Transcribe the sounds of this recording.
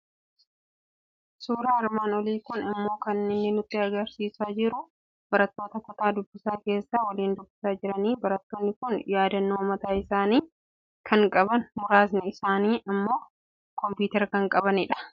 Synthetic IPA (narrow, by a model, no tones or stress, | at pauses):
suːɾaːɪɾmaːnɔliːkʊnɪmːo̞ːkɐnːɪnːɪnʊt̪ʼːɪɐɡɐɾsiːsaːd͡ʒɪɾʊ | b̥ɐɾɐt̪ːoːt̪ɐt̪ɐt̪aːd̪ʊbːɪsaːke̞ːsːaːwɐliːnd̪ʊbːɪsaːd͡ʒɪɾɐniːbɐɾɐt̪ːoːnːɪkʊnjaːd̪ɐnːoːmɐt̪aːɪsaːniː | kʰɐŋkʼɐbɐnmʊɾaːs̬nɪɪsaːniːʔɪmːo̞ː | kɔmpjuːt̪ɛɾkɐŋkʼɐbɐnɪᶑɐ̥